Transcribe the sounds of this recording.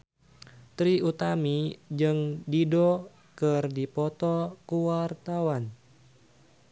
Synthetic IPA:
t̪ɾiut̪amid͡ʒɨŋdidɔ | kɨrdipɔt̪ɔkuwart̪awan

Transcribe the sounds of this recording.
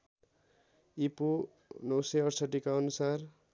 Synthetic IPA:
ipu | nʌwseʌrsʌʈikaʌnusar

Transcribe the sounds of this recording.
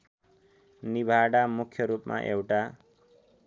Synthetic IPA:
nibʱaɽamukʰjʌɾupma̰ʔewʈa

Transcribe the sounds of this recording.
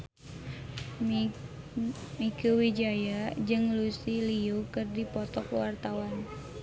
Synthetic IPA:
mikuwid͡ʒajad͡ʒɨŋlusiliukɨrdipɔt̪ɔkwart̪awan

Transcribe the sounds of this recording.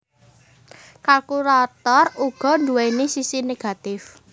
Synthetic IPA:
kalkuɾat̪ɔruɡ̥ɔ̤nd̪uwɛnisisineɡ̥a̤t̪ɪf

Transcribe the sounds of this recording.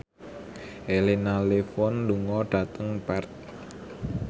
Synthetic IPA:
ʔelinalefɔnluŋɔɖ̥ä̤t̪əŋpɛrt̪̚

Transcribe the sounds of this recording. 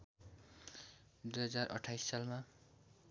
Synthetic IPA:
d̪ujɦʌd͡zarʔʌ̰ʈʰːajsːalma

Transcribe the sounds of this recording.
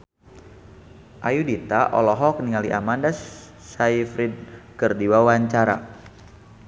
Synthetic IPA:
ʔajudit̪aʔɔ̰lɔɦɔk̚niŋaliʔamandasː | aifɾid̚kərdiwawaɲt͡ʃaɾa̰

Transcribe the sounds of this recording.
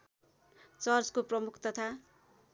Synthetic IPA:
t͡sʌrt͡skoprʌmukʰt̪ʌt̪ʰa

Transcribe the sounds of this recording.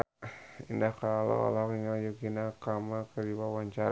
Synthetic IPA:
indahkalo̰a̰lakiŋajukinakamakədiwawaɲt͡ʃaɾ

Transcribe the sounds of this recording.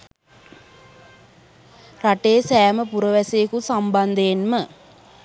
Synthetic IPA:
raʈeːsæːməpuɾəʋæsejːkusamband̪ejːnmə

